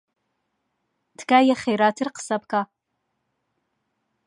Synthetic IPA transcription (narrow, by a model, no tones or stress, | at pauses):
dɡaːjaχejɾatʰɨrqʰsapkʼa